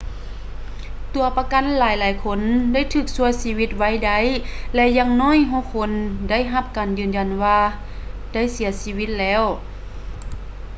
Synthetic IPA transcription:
t̪u˨˩ɐpa˧ka˧˨˥nlaː˨˦jlaː˨˦jkʰo˧˥nda˥˨jt̪ʰɯː˧˩k̚su˧əjsiː˧˥wi˧˥t̪̚wa˧˥˨jda˧˥jlɛ˧jaː˧˥ŋnɔː˧˥˨jɦɔː˧˥˨kʰo˧˥nda˥˨jɦa˧˥p̚kaː˨njɯː˨˩nja˨˩nwaː˧ | d̥a˥˩˨jsi˨˩˦ɐsiː˧˥wi˧˥t̪̚lɛː˧˥˨w

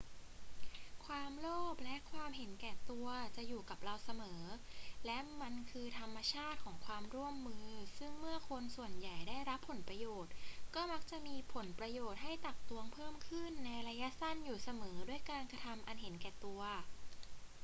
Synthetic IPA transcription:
kʰwaː˧mloː˥˩p̚lɛ˦˥ʔkʰwaː˧mɦe˨˩˦nkɛː˨˩t̪u˧ɐt͡ɕa˨˩ʔjuː˨˩ka˨˩p̚ɾa˧wsa˧mɤː˩˦lɛ˦˥ma˧nkʰɯː˧t̪ʰa˧mːa˧t͡ɕʰaː˥˩t̪̚kʰɔː˩˦ŋkʰwaː˧mɾu˥˩əmːɯː˧sɯ˥˩ŋmɯ˥˩ɐkʰo˧nsu˨˩ənja˨˩jdaː˥˩jɾa˦˥pʰːo˩˦npɾa˧joː˨˩t̪̚kɔː˥˩ma˦˥k̚t͡ɕa˨˩ʔmiː˧pʰo˩˦npɾa˧joː˨˩t̪̚ɦa˥˩jt̪a˨˩k̚t̪u˧ɐŋpʰɤː˥˩mkʰɯ˥˩nːa˧jɾa˧ja˦˥ʔsa˥˩njuː˨˩sa˧mɤː˩˦du˥˩əjkaː˧nkɾa˧t̪ʰa˧mʔa˧nɦe˨˩˦nkɛː˨˩t̪u˧ɐ

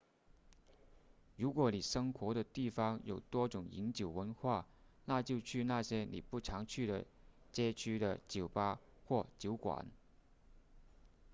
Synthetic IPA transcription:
ɻu˧˥kwɔ˧˩ni˨˩ʂɤ˥ŋxwɔ˧˥ɾə˧t̪i˥˩fɑ˥ŋjo˨˩ʊt̪wɔ˥ʈ͡ʂʊ˨˩ŋḭ˧˥nt͡ɕjo˨˩ʊwə˧˥nxwa˥˩ | na˥˧t͡ɕjo˥˧ʊt͡ɕʰy˥˧na˥˩ɕjɛ˥nḭ˨˩pu˥˩ʈ͡ʂʰɑ˧˥ŋt͡ɕʰy˥˩ɾə˨˩ | t͡ɕjɛ˥t͡ɕʰy˥d̪ə˨t͡ɕjo˨˩ʊpa˥ | xwɔ˥˩t͡ɕjo˧˥ʊkwa̰˨˩˦n

